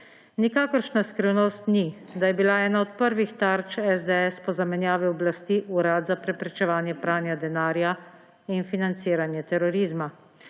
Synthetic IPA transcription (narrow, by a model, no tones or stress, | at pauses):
nikaːkəɾʃnaskɾiwnost̪nid̪ajɛbilaɛːnaɔt̪̚pəɾʋixt̪aɾt͡ʃɛzd̪ɛɛspɔzamɛnjaːʋiɔblast̪iʔuɾaːd̪zapɾɛpɾɛt͡ʃɛʋaːnjɛpɾaːnjad̪ɛnaːɾja | infinant̪siːɾanjɛt̪ɛɾɔɾiːzma